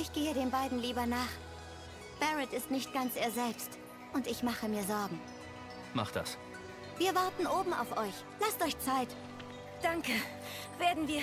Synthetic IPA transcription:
ʔɪçɡ̥eːəɾeːmbaɪdn̩liːbɐnaːχ | b̥ɛʁɪtɪstnɪçt̚ɡ̥ant͡sʔeːɐzɛlpst | ʔʊntɪçmaχəmiːɐzɔɐɡŋ̩ | ma̰χd̥a̰s | viːɐvaɐtn̩ʔoːbm̩a̰ʊfʔɔʏç | lastɔʏçt͡saɪt | d̥aŋkə | veːɐdn̩viːɐ

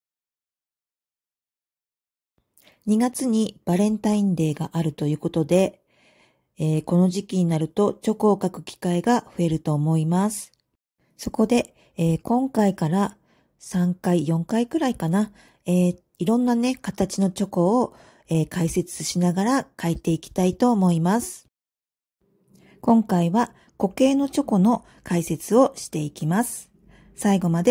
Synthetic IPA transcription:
ɲ̟iɡat͡sɨɲ̟ib̥aɾẽ̞nt̪aĩnd̪e̞ːɡaʔaɾɯ̟t̪o̞jɯ̟ːko̞t̪o̞d̪e̞ | eːko̞no̞ʑikʲiɲ̟inaɾɯ̟t̪o̞t͡ɕo̞ko̞ːkakɯ̟̥kʲi̥kaiɡaɸɯ̟e̞ɾɯ̟t̪o̞ːmo̞imasɨ̥ | so̞ko̞d̪e̞ː | kõ̞ŋkaikaɾa | sãŋkaijõ̞ŋkaikɯ̟ɾaikana | eː | iɾõ̞nːane̞kat̪at͡ɕino̞t͡ɕo̞ko̞ː | eːkaise̞t͡sɨɕinaɡaɾakait̪e̞ikʲi̥t̪ait̪o̞ːmo̞imasɨ̥ | kõ̞ŋkaiβa | ko̞ke̞ːno̞t͡ɕo̞ko̞no̞ | kʰaise̞t͡sɨo̞ɕi̥t̪e̞ikʲimasɨ̥ | saiɡo̞mad̪e̞

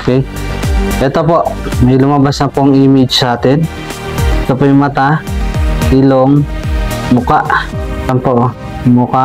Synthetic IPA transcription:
okɛj | ʔɛt̪opo̞ʔmɐjlʊmɐbasnɐpoŋʔimɪd͡ʒsaːt̪ɛn | ʔɛt̪opojʊmɐt̪a | ʔiloŋ | mʊkaʔɐnpo | mʊka

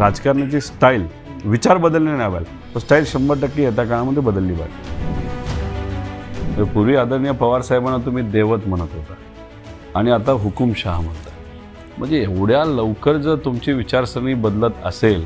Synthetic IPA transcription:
ɾad͡zkaɾɳjat͡ɕiːsʈaiːl | ʋit͡ɕaɾbəd̪əlnenabajl | t̪əsʈailɕəmbəʈəkːiːɦet̪̬jakãaməd̪ʱjebəd̪əlːiːba̰t̪ | t̪əɾpuɾʋiːad̪ənjəpəʋaɾsaɦebanːat̪̬um̤iːd̪eʋət̪m̤əɽ̃ət̪ɦoka | aɽ̃iat̪aɦukumɕaɦm̤ənt̪a | m̤əɳd͡zeoɽjaləʋkəɾd͡zət̪umt͡ɕiːʋit͡ɕaɾsɾəɳ̃iːbəd̪lət̪ə̰sel

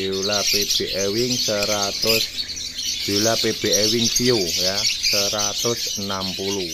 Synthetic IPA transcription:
ulapeb̥eʔewɪŋsəɾat̪ʊs | d͡ʒ̥i̤ulapeb̥e̤ʔɛwɪŋsiujasəɾat̪ʊsənampulu

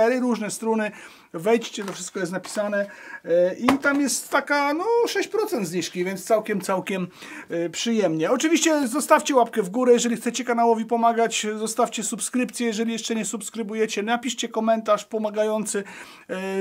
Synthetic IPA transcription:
ɛɾɘɾuʐnɛst̪ɾunɘ | vɛjt͡ɕt͡ɕɛt̪ɔfʂɘst̪kɔjɛst̪apʲi̥sanɛ | ʔit̪amjɛst̪ːakanɔʂɛɕt͡ɕpɾɔt̪sɛnd̪zɲiʂkʲivʲɛnt̪st̪sawkʲɛmt̪sawkʲɛm | pʂɘjɛmɲɛɔt͡ʂɨvʲiɕt͡ɕɛzɔst̪afʲt͡ɕɛwapkɛvɡuɾɛjɛʐɛlʲixt̪sɛt͡ɕɛkanawɔvʲipɔmaɡat͡ɕzɔst̪afʲt͡ɕɛsupskɾɘpt̪sʲjɛjɛʐɛlʲijɛʂt͡ʂɛɲɛsupskɾɘbujɛt͡ɕɛnapʲiʂt͡ɕɛkɔmɛnt̪aʂpɔmaɡajɔnt̪sɘ

